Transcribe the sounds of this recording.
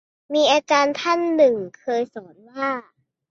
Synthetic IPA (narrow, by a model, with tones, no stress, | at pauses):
miː˧ʔaː˧t͡ɕaː˧nt̪ʰa˥˩nːɯ˨˩ŋkʰɤː˧jsɔː˩˦nwaː˥˩